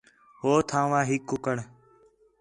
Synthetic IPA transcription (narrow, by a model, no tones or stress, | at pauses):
ɦoːt̪ʰãːʋãːɦɪkːʊkəɳ